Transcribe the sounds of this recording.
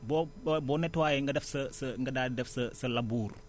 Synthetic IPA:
bobbonɛtwajɛŋɡədɛfsəsəŋɡədadɛfsəsəlabuɾ

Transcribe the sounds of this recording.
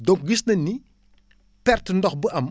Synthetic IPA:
dɔŋk̚ɡisnɐnːi | pɛrtəndɔxbəʔɐm

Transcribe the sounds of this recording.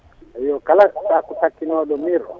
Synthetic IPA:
ijɔkalatakutʰakinɔɗɔmiɾɔ̰

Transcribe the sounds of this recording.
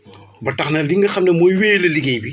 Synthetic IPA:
bɐtɐxnɛldiŋɡɐxɐmnɛmɔjweːlɐliɡɛjbi

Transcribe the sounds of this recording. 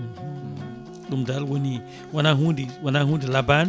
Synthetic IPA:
ɗumdalwoni | wanaɦudiwanaɦũndilaban

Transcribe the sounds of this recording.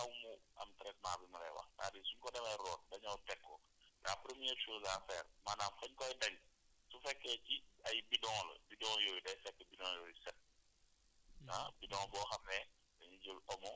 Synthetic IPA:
ɐwmuɐ̰mtɾɛk̚maːbimɐlɛ̰wɐ̰ta̰ːdisuɲkɔdɛmɐrɔːnbɐɲɐwtɛkːɔ | ɡaːpɾəmiɛɾʃoːzafɛːrmaːnaːmfɐɲkɔjdɐŋ | sufɛkːɛːciɐjbidɔ̃ŋlə̰bidɔ̃ːŋjɔːjudɐjfɛkːəbidɔ̃ŋjɔːjusɛt̚ | abidɔ̃ŋbɔːxɐmːɛ | bɐɲiɟulɔmɔ

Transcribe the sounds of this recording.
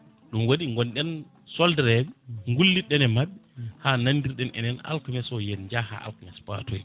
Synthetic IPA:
ɗumwoɗiŋɡɔnɗɛn | sɔldɛɾɛɓŋɡulːiɗɛnɛmaɓːɛhananːdiɾɗɛnʔɛ̰nɛna̰lkumɛsɔjɛnɲd͡ʒaha̰ʔa̰lkumɛspa̰tʰɔj

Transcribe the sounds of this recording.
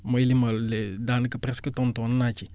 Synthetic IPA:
məjiliməlled̪anɨkəpɾɛskət̪õnt̪onɨnat͡ʃi

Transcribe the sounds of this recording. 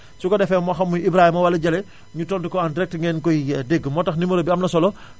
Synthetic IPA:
sukɔdɛfɛːmɔxɐmːujibɾaːhimɐwɐlɐɟɐlɛ | ɲutɔndukɔandiɾɛk̚tŋɡɛːnkɔjideɡːəmɔːtɐxnimuɾɐbiɐmnɐsɔlɔ

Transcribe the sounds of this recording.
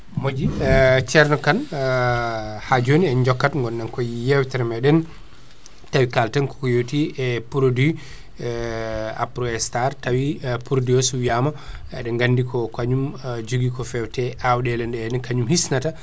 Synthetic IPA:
mod͡ʒit͡ʃɛɾnɔkan | had͡ʒoniɛnd͡ʒɔkːatŋɡɔnːankɔjijɛwtɛɾɛmaɗɛn | tawikaltɛnkɔ̥kɔjowtiɛpuɾodu | a̰pɾɔɛstaɾtawipuɾodijosuwijama | ɛ̰ɗɛŋɡandikɔkaɲumd͡ʒuɡikɔfɛwtɛʔawɗɛlɛnɗɛɛnɛnkaɲumhisnata

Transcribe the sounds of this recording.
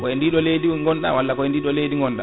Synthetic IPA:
kɔɛndiːɗɔlejdiŋɡɔnɗa̰walːakɔɛndiːɗɔlejdiŋɡɔnɗa̰

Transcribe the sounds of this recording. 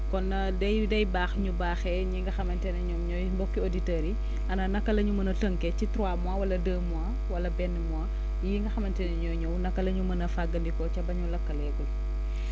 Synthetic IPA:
kɔnːɐ | dɛjdɛjbaːxɲubaːxɛɲiŋɡɐxɐmɐntɛnɐɲɔmɲɔjbɔkːioditɛɾi | ʔɐnɐnɐkːɐlɐɲumɐnɐtəŋkɛcitɾwamuawɐlɐdəːmua | wɐlɐbɛnːəmwa | jiŋɡɐxɐmɐntɛnɛɲɔjɲɔwnɐkːɐlɐɲumɐnɐfaɡɐndikɔt͡ʃɐbɐɲulɐkːɐlɛkɔ

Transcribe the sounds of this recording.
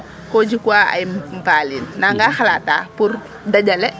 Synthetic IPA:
kod͡ʒikuaa̰jimmpalinːaŋɡaxalatapur | dad͡ʒalɛ

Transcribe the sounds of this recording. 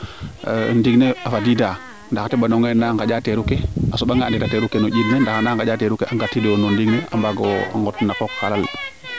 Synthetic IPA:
ndiɡneafadida | ndaxatɛbanɔŋenaŋkaɟateɾukeasoɓaŋɡaːnditateɾukenoɟidnendaxanaːŋkaɟateɾukeʔaŋɡatːidonɔndiɡnea̰mbaɡɔ̰ŋɡɔtnakɔkːalal

